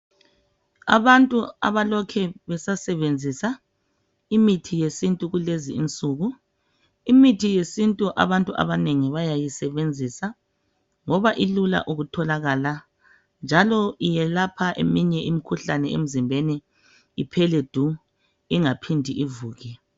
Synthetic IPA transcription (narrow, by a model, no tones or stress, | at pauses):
a̰βantʼua̰βalɔkʰɛβɛsasɛβend͡zʱisa | imitʰijesintʼuɣuleziint͡sʼuɣu | imitʰijesintʼuʔa̰βantʼuʔa̰βaneŋiβajajisɛβend͡zʱisa | ŋɔβaʔilula̰ʔuɣutʰɔlaɣaːla | nd͡ʒʱalɔijɛlapʰaʔḛmiɲɛʔimikʰuɬanɛḛm̩zimbʱeni | ipʰɛled̥ʱu | iŋapʰindʱiʔivuːɣɛ